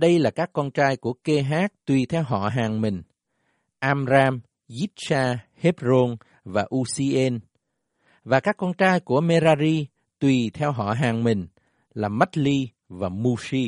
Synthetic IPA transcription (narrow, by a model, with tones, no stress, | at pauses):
ɗə˧jlaː˨˩kaː˦˥kːɔ˧nt͡ɕaː˧jku˧˩əke˧ɦaː˦˥k̚t̪wi˨˩t̪ʰɛ˧wɦɔ̰˧˨ɦaː˨˩ŋmï˨˩ŋ̟ | ʔaː˧mzaː˧m | zi˦˥t̚saː˧he˦˥p̚zo˧n | vaː˨˩ʔu˧si˧ʔe˧n | vaː˨˩kaː˦˥kːɔ˧nt͡ɕaː˧jku˧˩əme˧zaː˧zi˧ | t̪wi˨˩t̪ʰɛ˧wɦɔ̰˧˨ɦaː˨˩ŋmï˨˩ŋ̟ | laː˨˩ma˦˥t̚li˧ | vaː˨˩mu˧si˧